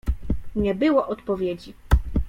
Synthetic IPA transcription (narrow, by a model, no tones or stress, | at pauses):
ɲɛbɘwɔʔɔt̪pɔvʲjed͡ʑi